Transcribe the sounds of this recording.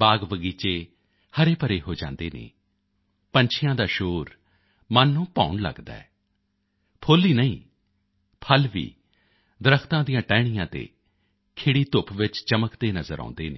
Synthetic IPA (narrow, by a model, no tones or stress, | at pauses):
baːɡʋəɡiːt͡ʃeː | həɾeːpəɾeːɦoːd͡ʒãːnd̪eːnḛː | pəɲt͡ʃʰɪjãːd̪aːʃoːɾ | mənːũːpa̰ːʊɳlə̰ɡd̪a̰ɛː | pʰoːliːnəĩː | pʰəlʋḭː | d̪əɾəkʰt̪ãːd̪ijãːʈɛːɽ̃ijãːt̪ḛː | kʰeːɽiːt̪ʊpʋɪt͡ʃt͡ʃəməkd̪eːnəzəɾʔã̰ːnd̪eːnḛː